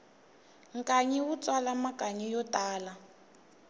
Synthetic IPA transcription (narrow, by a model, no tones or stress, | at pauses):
ŋkʼaɲɛwut͡swalamakaɲijɔtʼaːla